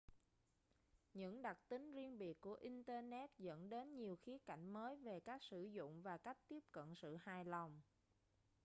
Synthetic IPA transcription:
ɲɨ̰˧˥ŋɗa˨˩k̚t̪ï˨˦ŋ̟zi˧ənɓi˨˩əkːu˧˩əʔi˧nt̪əː˧nɛ˦˥t̚zə̰˧˥nɗe˨˦nɲi˨˩əwxi˨˦əka̰˧˩jŋ̟məː˨˦jve˨˩kaː˦˥k̚sɨ̰˧˩zʊ̰˧˨ŋ͡mvaː˨˩ka˦˥jk̚t̪i˦˥əp̚kə̰˧˨nsɨ̰˧˨haː˨˩jla˨˩wŋ͡m

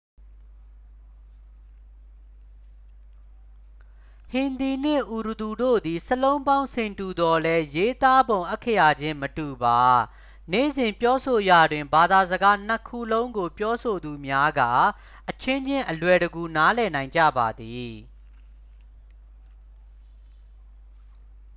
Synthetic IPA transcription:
hɪ̃˨nd̪i˨n̥ɪ̰̃˦˨ʔu˨ɾu˨du˨do̰˦˨d̪i˨səlõ˦ʊ̃mbã˦ʊ̃sʰɪ̃˨ntu˨d̪ɔ˨lɛ˦je˦t̪a˦bõ˨ʊ̃ʔɛ˦kʰːə˦ja˨d͡ʑɪ̃˦mətu˨ba˨ | nḛ˦˨zɪ̃˨mpjɔ˦so˨ja˨dwɪ̃˨mba˨d̪a˨zəɡa˦n̥ə˨kʰu˦˨lõ˦ʊ̃ŋɡo˨pjɔ˦sʰo˨d̪u˨mja˦ɡa̰˦˨ | ʔət͡ɕʰɪ̃˦ɲd͡ʑɪ̃˦ʔəlwɛ˨ɾəɡu˨na˦lɛ˨nã˨ɪ̃ɲd͡ʑä̰˦˨ba˨d̪i˨

